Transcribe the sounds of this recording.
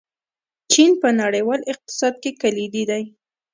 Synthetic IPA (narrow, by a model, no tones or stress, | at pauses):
t͡ʃinpənaɽəjwɑlɪq̚t̪ɪ̥sɑd̪̚kekalid̪id̪aj